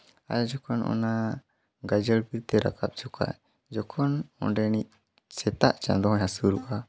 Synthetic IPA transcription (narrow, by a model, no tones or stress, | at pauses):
a̰jd͡ʒɔkɔnʔɔ̰na | ɡad͡ʒəlpiɾt̪ɛɾa̰kap̚t͡ʃʰɔkʰa̰ | d͡ʒɔkʰɔnɔ̰̃ɖɛnit̚ | sɛt̪aʔt͡ʃã̰nd̪ɔɦɔ̃ɲhasuɾuʔa